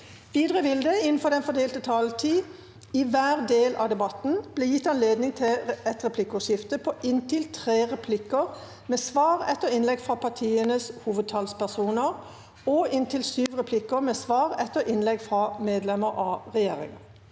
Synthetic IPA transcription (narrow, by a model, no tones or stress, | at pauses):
ʋiːd̪ʁəʋɪld̪əɪnnfɔd̪ɛnfɔd̪eːlt̪ət̪ʰɑːlt̪ʰiː | ɪʋæːʁd̪eːlɑ̰d̪ɛbɑt̪n̩b̥leːjɪt̪ːɑnleːd̪nɪŋt̪ʰɪlɛt̪ʁɛpʰlɪkːʊʂɪft̪əpʰɔʔɪnt̪ɪlt̪ʰʁeːʁɛpʰlɪkəʁ | meːsʋɑːʁɛt̪ːəɾɪnlɛɡfʁɑpʰɑt̪ʰiːənəshuːʋəd̪̚t̪ʰɑlspæsuːnəʁ | ɔɪnt̪ʰɪlsyːʋʁɛpʰlɪkəʁmɛsʋɑːʁɛt̪ːəɾʔɪnlɛɡfʁɑmeːd̪lɛməɾʔɑʁɛjeːʁɪ̰ŋə